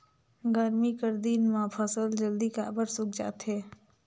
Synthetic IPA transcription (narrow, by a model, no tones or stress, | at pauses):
ɡəɾmikəɾd̪iːnmãpʰəsəld͡ʒəld̪ikabəɾsʊkd͡ʒa̰ːt̪ɦɛː